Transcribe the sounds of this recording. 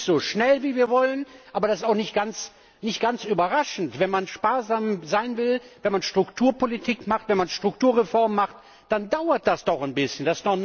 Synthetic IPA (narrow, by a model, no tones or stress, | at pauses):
z̥oːʃnɛlviːviːɐvɔlənʔaːbɐɾasɪstaʊxnɪçtɡ̥ant͡s | nɪçt̚ɡ̥ant͡sʔyːbɐʁaʃn̩tv̥ɛnmanʃpaːɐzaːmzaɪnvɪlvɛnmanʃtʁ̥ʊktʰuːɐpolitʰiːkmaχtvɛnmanʃtʁ̥ʊktuːɐʁefɔɐmmaχt | d̥andaʊɐt̚d̥asd̥ɔχanbɪsçəndasɪ̥sd̥ɔχ